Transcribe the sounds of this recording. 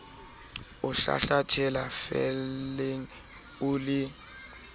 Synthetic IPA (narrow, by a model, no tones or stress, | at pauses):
uɬa̰ɬatʰɛlafɛlɛŋ | ulɪ